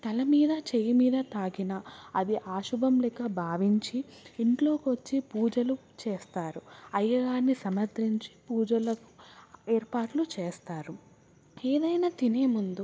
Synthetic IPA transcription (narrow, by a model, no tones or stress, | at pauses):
t̪ɐlɐmiːd̪ɐt͡ʃejimiːd̪ɐt̪aːɡinɐɐd̪iʔaːʃubʱɐmlɛkɐbʱaːʋiɲt͡ʃiːɳʈlo̞ːkiʋɐt͡ʃːipuːd͡ʒɐlu | t͡ʃeːst̪aːɾuɐjːɐɡaːɾnisɐmɐɾt̪ɾiɲt͡ʃi̥puːd͡ʒɐlɐku̥eːɾpaːʈlut͡ʃeːst̪aːɾu | eːd̪ɐjnaːt̪ineːmund̪u